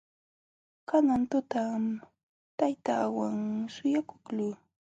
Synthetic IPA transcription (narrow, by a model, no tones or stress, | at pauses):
kanant̪ʊt̪am | t̪ajt̪awaŋsʊjakʊ̥kluː